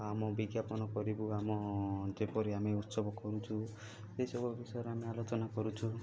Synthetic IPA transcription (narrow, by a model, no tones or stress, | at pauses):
amɔbiɡjapɔnɔkɔɾibuamɔd͡ʒepɔɾiameut̪sɔbʱɔkɔɾut͡ʃʰu | sesɔbʱubisɔɔɾeamealot͡ʃɔnakɔɾut͡ʃʰu